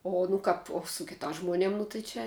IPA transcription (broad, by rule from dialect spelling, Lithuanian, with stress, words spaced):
oː nʊ ˈkɐp oː sʊ kʲɪtɑːs ʒmoːˈnʲiɛm nʊ tɐɪ ˈt͡ʃʲɛ